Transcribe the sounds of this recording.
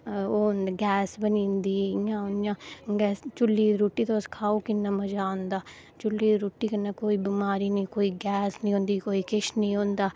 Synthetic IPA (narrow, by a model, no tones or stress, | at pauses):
oːnɡɛːsbənĩːnd̪iːjãːʊnjãːɡɛːst͡ʃʊlːiːɾoːʈːiːt̪aʊskʰaːoːkɪnːãːməd͡ʒaːõnd̪aː | t͡ʃʊlːiːɾoːʈːiːkənːaːkoːiːbɪmaːɾiːnĩːkoːiːɡɛːsnĩɦõːnd̪iːkoːiːkɪʃnĩːõːnd̪aː